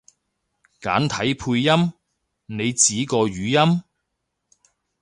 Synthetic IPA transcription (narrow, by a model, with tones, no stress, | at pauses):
ka̰ː˨˥nt̪ʰɐ˨˥jpʰuː˧jːɐ˥m | ne˨˧jt͡siː˨˥kɔː˧ɥyː˨˧jɐ˥m